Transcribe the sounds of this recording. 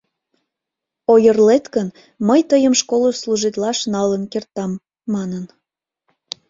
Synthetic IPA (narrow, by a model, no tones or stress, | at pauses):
ojərlet̪kən | məjt̪əjəmʃkoləsluʒit̪lɑʃnɑlənkert̪ɑmː | ɑnən